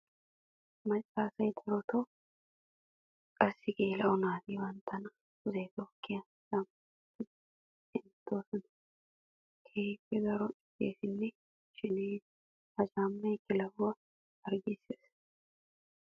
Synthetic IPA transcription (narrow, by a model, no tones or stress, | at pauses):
mɐt͡ʃʼːaːsɐjd̪ɐɾɔt̪ʰo | kʼɐsːɪɡeːlɐʔʊnaːt̪iːwɐnt̪ʰːɐnɐ̥ | ʊzɐt̪oːkʼːɪjɐ | sɐm | t̪ːɪ | ɪnt̪ːoːsɐn | kʰeːfːɛɡɐɾɔɪtːḛːsɪnːɛ | ʃɪneː | ɐd͡ʒaːmːɐjkːɪlɐwwɐ | ɐɾɡɪseːs